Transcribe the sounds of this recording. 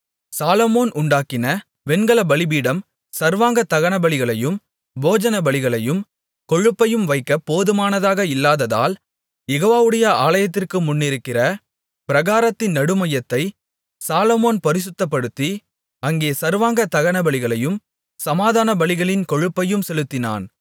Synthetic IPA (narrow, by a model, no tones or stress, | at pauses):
saːlɐmoːnʔʊɳɖaːkɪnɐ | ʋɛnɡɐɭɐbɐɭɪbiːɽɐm | sɐɾʋaːŋɡɐt̪ːɐɣɐnɐbɐɭɪɣɐɭɐjɯm | boːd͡ʒɐnɐbɐɭɪɣɐɭɐjɯm | kɔɻɯpːɐjɯmʋɐɪkːɐpoːðɯmaːnɐðaːɣɐɪlːaːðɐða̰ːl | jɛɣoːʋaːʋɯɽɐjɐaːlɐjɐt̪ːɪrkɯmʊnːɪɾɯkːɪrɐ | pɪɾɐɣaːɾɐt̪ːɪnːɐɽɯmɐjɐt̪ːɐɪ | saːlɐmoːnpɐɾɪs̬ɯt̪ːɐpːɐɽɯt̪ːi | ɐŋɡeːsɐɾʋaːŋɡɐt̪ːɐɣɐnɐbɐɭɪɣɐɭɐjɯm | sɐmaːðaːnɐbɐɭɪɣɐɭɪnkɔɻɯpːɐjɯmsɛlɯt̪ːɪna̰ːn